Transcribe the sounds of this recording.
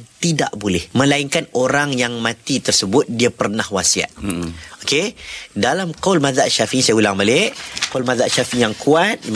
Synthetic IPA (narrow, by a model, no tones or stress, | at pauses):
t̪ida̰ʔbolɛhmə̃laiŋkanoɾaŋjaŋmãt̪it̪ərsəbʊt̪̚diapərnahwasia̰t̪̚okedalamqawlmaðaʔʃafiʔisajaulaŋbalɪʔkowlmaðaʔʃafiijaŋkʰuat̪̚